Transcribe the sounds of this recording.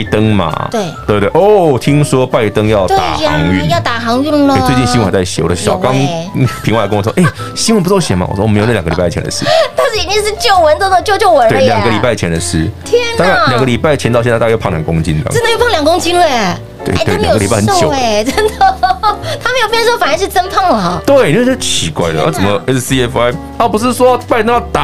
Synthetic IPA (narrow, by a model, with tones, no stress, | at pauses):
t̪ə˦ŋma̰˨˩t̪we˥˩t̪we˥˧t̪we˥˩ʔɔ˥˨t̪ʰi˦˥ŋswɔ˦˥pa˥˧ɪt̪ə˦ŋjɑ˥˨ʊt̪t̪a̰˧˩˨ŋy̰˥˨jɑ˥˩t̪a˨˩xɑ˧˥ŋy˥˩nlt͡se˥˧t͡ɕi˥˩nɕi˥nwə˨˩˧t͡sa˥˩ɪɕjɔ˨˩də˨˩˥j̰ʊkɑ˦˥ŋpʰi˧˥ŋwa˧˦kə˦ŋwɔ˨˩˥ʔe˥˩ɪ | ɕi˥nwə˧npu˧t͡so˥˩ɕjɛ˨˩nma̰˨wɔ̰˨˩ɔ˥wm˧˥jjɡə˨i˨˩pa˥˩˨t͡ɕʰɛ˧nd̪ə˧ʂɻ̩̰˥˩t̪a˥˧ʊɕi˨˩˨ni˥ʂɻ̩˥˧t͡ɕjo˥˩ʊwə˧˦nt̪o˥˧ʊə˧t͡ɕjo˥˧ʊt͡ɕjo˥˧ʊwə˧˦we˥˩˧lja˨˩ŋɡə˧li˨˩pa˥ɪt͡ɕʰjɛ˧˥nd̪ə˧ʂɻ̩˥t̪ʰjɛ˥nt̪a˥a˥˧nljɑ˨˩ŋɡə˧li˨˩pa˥˩ɪt͡ɕʰɛ˧˥nt̪ɑ˥˧ʊɕ̬jʰjkʊ˧˥ŋt͡ɕḭ˦nt̪a̰˥ə˥nd̪jo˥˩pʰŋljɑ˨˩ŋkʊ˥ŋt͡ɕi˥nlə˨ | t̪wḛ˥˧˩we˧˥˩j̰ɡə˧li˨˩pa˥˩ə˦nt͡ɕjo˨˦˨t͡sə˥nd̪ə˨t̪ʰa˥me˧˥jo˨˩pjɛ˥˧nswɔ˥fa˨˩˧ʂɻ̩˥˩t͡sə˥npʰɑ˥˩ŋlə˨˩˦t̪we˥˨˩ɪni˨˧wt͡ɕə˥˩t͡ɕʰi˧˥kwa̰˥˩ɪlə˩˨ʔa̰˥˩t͡sə˨˩mə˧ɛ˦ssi˦˥ɛ˦fa˦ɪ | a˥˩pu˧˥ʂɻ̩˥˧swɔ˥˩pa˥ɪ˥ɑ˥˩t̪a˨